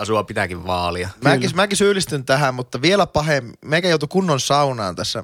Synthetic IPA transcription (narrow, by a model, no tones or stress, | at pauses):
ɑsuɑpit̪ækiʋʋɑːliɑmækismækisyːlist̪ynt̪æɦæmmut̪ːɑʋielæpɑɦemmeikæjout̪ukunːonsɑunɑ̰ːnt̪æsːæ̰